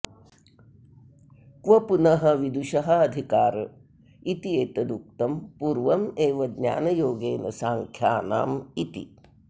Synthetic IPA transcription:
kʋɐpunɐɦɐʋid̪uʃɐɦɐɐd̪ʱikaːɾ | it̪ieːt̪ɐd̪uk̚t̪ɐmpuːɾʋɐmeːʋɐɡ̪ɲa̰ːnɐjoːɡeːnɐ̰saːŋkʰjaːna̰ːmit̪ḭ

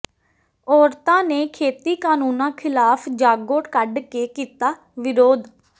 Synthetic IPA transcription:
ɔːɾt̪ãːneːkʰeːt̪iːkaːnuːnãːkʰɪlaːpʰd͡ʒaːɡoːʈkəɖkeːkiːt̪aː | ʋɪɾoːd̪

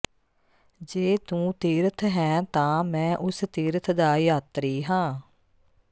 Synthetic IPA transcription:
d͡ʒeːt̪ũːt̪iːɾət̪ʰɦɛ̃ːt̪ãːmɛ̃ːʔʊst̪iːɾət̪ʰd̪aːjaːt̪ɾiːɦãː

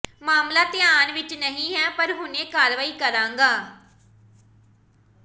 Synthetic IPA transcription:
maːmlaːt̪ɪjaːnʋɪt͡ʃnəɦĩːɦɛːpəɾɦʊnẽːkaːɾʋaːiːkəɾãːŋɡaː

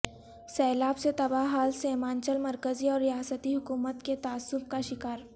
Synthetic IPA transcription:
sɛːlaːbset̪ɐbaɦaːlseːmãːnt͡ʃəlmɐɾkəziɔːɾːijaːsət̪iɦʊkuːmət̪ket̪aːsːʊfkaʃɪkaːɾ

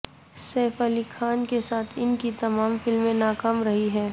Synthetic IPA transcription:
sɛːfɐlikʰaːnkesaːt̪ʰɪnkit̪ɐmaːmfɪlmːẽnaːkaːmɾɐɦiɦɛː

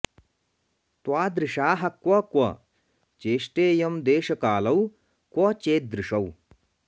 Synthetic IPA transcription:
t̪waːd̪ɾɪʃaːɦɐkʋɐkwɐ | t͡ʃeːʂʈeːjɐmd̪eːʃɐkaːlɐw | kwɐt͡ʃeːd̪ɾɪʂɐw

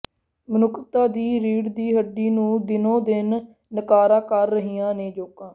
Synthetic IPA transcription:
mənʊkʰt̪aːd̪iːɾiːɽd̪iːɦəɖːiːnũːd̪ɪnõːd̪ɪnː | əkaːɾaːkəɾːəɦijãːneːd͡ʒoːkãː

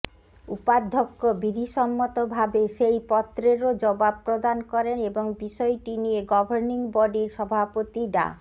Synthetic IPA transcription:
upad̪ʱːokːobid̪ʱiʃɔmːot̪obʱabeʃejpɔt̪ːɾeɾod͡ʑɔbab̚pɾod̪ankɔɾeneboŋbiʃɔeʈinieɡɔbʱoɾniŋbɔɖiɾʃɔbʱapot̪iɖa̰

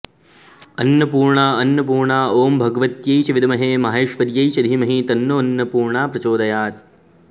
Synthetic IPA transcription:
ɐnjɐpuːɾɳaːɐnjɐpuːɾɳaːoːmbʱɐɡɐʋɐt̪jɐjt͡ʃɐʋid̪ɐmɐɦeːmɐɦeːʃʋɐɾjɐjt͡ʃɐd̪ʱimɐɦit̪ɐnːoːɐnjɐpuːɾɳaːpɾɐt͡ʃoːd̪ɐjaːt̪

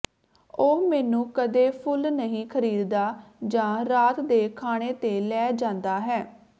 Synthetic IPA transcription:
oːmɛːnũːkəd̪eːpʰʊlnəɦĩːkʰəɾiːd̪d̪aːd͡ʒãːɾaːt̪d̪eːkʰaːɽ̃eːt̪eːlɛːd͡ʒãːnd̪aːɦɛː

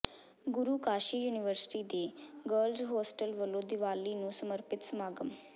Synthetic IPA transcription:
ɡʊɾuːkaːʃiːjuːniʋəɾsɪ̥ʈiːd̪eɡəɾlzɦoːsʈəlʋəloːd̪iʋaːlːinũːsəməɾpɪt̪smaːɡəm

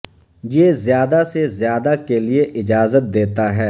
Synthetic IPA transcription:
jeːzjaːd̪asezjaːd̪akelieʔɪd͡ʒaːzət̪̚d̪eːt̪aɦɛː

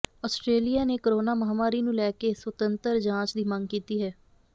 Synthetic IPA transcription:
ɔːsʈɾeːlijaːneːkəɾoːnaːməɦaːmaːɾiːnũːlɛːkeswət̪ənt̪əɾd͡ʒãːt͡ʃd̪iːməŋɡkiːt̪iːɦɛː

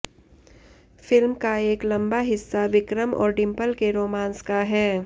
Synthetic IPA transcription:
fɪlmkaeːklɐ̃mbaɦɪsːaʋɪkɾəmɔ̰ːɾɖɪ̃mpəlkeɾoːmãːnskaɦɛː

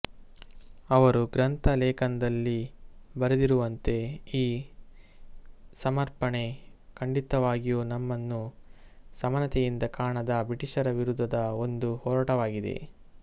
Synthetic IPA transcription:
ɐʋɐɾuɡɾɐnt̪ɐlɛːkɐnɐd̪ɐlːibɐɾed̪iɾuʋɐnt̪e̞iː | sɐmɐɾpɐɳe̞kɐɳɖit̪ɐʋaːɡijunɐmːɐnːu | sɐmɐnɐt̪ɛjind̪ɐkaːɳɐd̪ɐbɾiʈiʂɐɾɐʋiɾud̪ʱːɐd̪ɐo̞nd̪uhɔːɾɐʈɐʋaːɡid̪e̞̰

